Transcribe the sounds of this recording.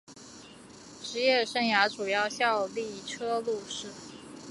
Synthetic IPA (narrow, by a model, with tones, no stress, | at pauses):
ʈ͡ʂɻ̩˧˥jɛ˥˩ʂə˥nja˧˥ʈ͡ʂu˨˩jɑ˥˧ʊɕjɑ˥˧ʊli˥˩ʈ͡ʂʰɤ˥lu˥˧ʂɻ̩˥˩